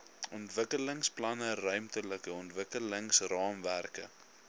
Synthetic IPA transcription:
ɔntvəkələŋsplɐnərœɥmtələkəɔntvəkələŋsrɑːmværkə̰

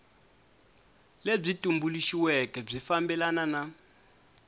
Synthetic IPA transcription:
leb͡ʐitʼumbuliʃiwɛkɛb͡ʐifambɛlanana

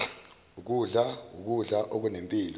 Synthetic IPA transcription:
uk̬uɮauk̬uɮaʔok̬unempʼiːlɔ

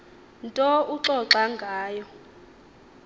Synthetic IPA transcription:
ntʼɔuǁɔǁaŋɡʱaːjɔ

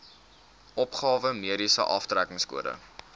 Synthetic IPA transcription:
ʔɔpχɑːvəmiəɾisə̰ʔɑftrækəŋskṵəɾə̰

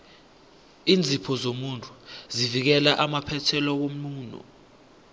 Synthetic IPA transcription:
iːnd͡zʱipʰɔzomuntʼu̥zivik̬ɛlaʔamapʰɛtʰɛlɔk̬om̩nuːnɔ̰

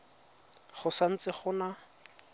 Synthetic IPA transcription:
χʊsan̩t͡sɪχʊna

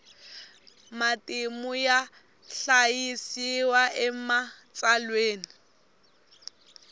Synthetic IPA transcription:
matʼɪmʊja | ɬajisiwaʔɛmat͡sʼalweːni

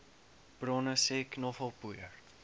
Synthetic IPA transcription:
b̥rɔnəsɛknɔχɔlˠpujər

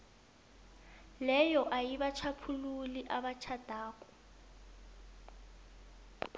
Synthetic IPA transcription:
lɛjɔʔajiβat͡ʃʰapʰululiʔaβat͡ʃʰad̥ʱaːkʼɔ̥

